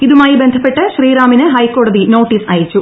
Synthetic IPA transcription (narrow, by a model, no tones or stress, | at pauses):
iðumaːjibe̞nd̪ʱɐpːe̞ʈːɨɕriːɾaːminɨɦɐjkːo̞ːɽɐðino̞ːʈːiːsɐ̰ːjɐt͡ɕːu